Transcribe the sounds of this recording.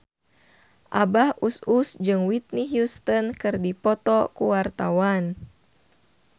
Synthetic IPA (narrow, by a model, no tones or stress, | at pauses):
ʔabahususd͡ʒɨŋwit̪̚niɦjust̪ɔnkɨrdipɔt̪ɔkuwart̪awan